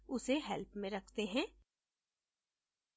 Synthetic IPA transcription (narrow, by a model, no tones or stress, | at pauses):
ʊseɦɛlpmẽɾɐkʰt̪eɦɛ̃ː